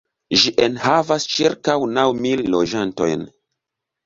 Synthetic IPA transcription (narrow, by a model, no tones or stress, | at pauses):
ʒiʔenhavast͡ʃiɾkawnawmilːod͡ʒanto̰jn